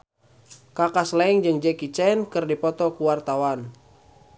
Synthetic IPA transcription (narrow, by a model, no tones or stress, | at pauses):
kakaslaiŋd͡ʒɨŋd͡ʒɛkit͡ʃɛnkɨrdipɔt̪ɔkuwart̪awan